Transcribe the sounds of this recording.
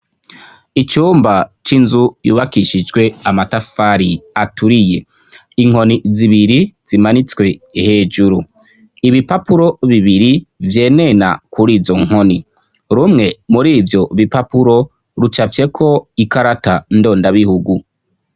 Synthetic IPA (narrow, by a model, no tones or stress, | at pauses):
it͡ʃuːmbat͡ʃinzujṵːβakiʃid͡ʒɡwe̞amatafaɾiatuɾije̞ | iŋ̥o̞niziβiɾiz̥imanit͡skwe̞iheːd͡ʒuɾu | iβipapuɾo̞βiβiɾivje̞ːne̞na̰kʰuɾiːzo̞ŋ̥ho̞ni | ɾumŋe̞muɾiːvjo̞βipapuɾo̞ | ɾut͡ʃafje̞kʰo̞ikaɾatando̞ːndaβihuɡu